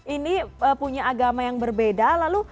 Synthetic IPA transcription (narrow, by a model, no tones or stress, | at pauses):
iniəpuɲaːɡamajaŋbərbedalalu